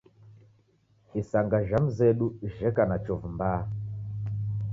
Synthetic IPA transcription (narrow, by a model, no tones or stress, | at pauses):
isaŋɡaʒam̩zɛɗuʒɛkanat͡ʃɔvumbaː